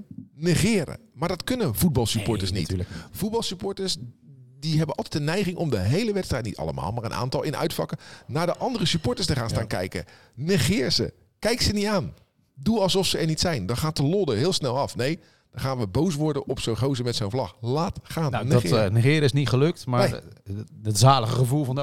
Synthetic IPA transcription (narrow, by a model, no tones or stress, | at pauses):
nəχɪːɾə̰maːɹdɑtkɵnənvud̚bɑlˠsypɔɹtəɹsnḭtv̥ud̚bɑlˠsypʊɹtəɹsdiɦɛbənɑlˠtɛjtdənːɛjχɪŋʔɔmdəɦejləʋɛtstrɛjt̚nitɑ̰lˠə̰ma̰ːlˠmaːɹənʔa̰ːntɑlˠɪnœ̰ɥtfɑkənaːɹdəʔɑndərəsypʊːɹtəɹs̬təχaːnstaːnkɛ̰jkə̰ | nəχɪːɹzə̰ | kɛjksəniaːn | duɑlˠsɔfsəɛɹnitsɛjndɑnχaːtəlɔdəɦɪːlˠsnɛlˠɑfnej | d̥ɑnχaːnʋəbows̬ʋɔɹdənʔɔpsownχowzəmɛtsownvlɑχlaːtχaːnnnəχɪːɾəɪsnitχəlɵk̚tmaːe | ətzaːləχəχəvulˠvɑnd